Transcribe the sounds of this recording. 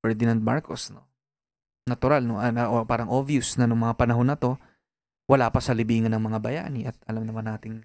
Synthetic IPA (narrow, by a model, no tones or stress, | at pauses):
fɛɹd̪ɪnɐnd̪̚ma̰ɹkosno | nɐt̪ʊɾalnoɐnɐʔopaːɾɐŋʔovjʊsnɐnʊŋmɐŋapɐnɐɦo̞nːɐt̪o̞ | wɐlaːpɐsɐlɪbiːŋɐnːɐŋmɐŋabɐja̰ːnɪʔɐt̪̚ɐlamnɐmanːaːt̪ɪŋ